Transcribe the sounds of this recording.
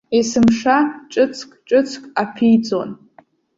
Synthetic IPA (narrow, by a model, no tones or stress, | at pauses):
isɨmʂaʈ͡ʂʼɨt͡sʰkʼʈ͡ʂʼɨt͡sʰkʼapʰijd͡zon